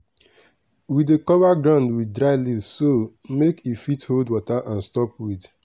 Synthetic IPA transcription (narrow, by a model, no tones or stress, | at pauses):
widekɔvaɡɹãʊ̃ndwidɹaɪlisːomekifitholdwɔtaʔãnstɔpwid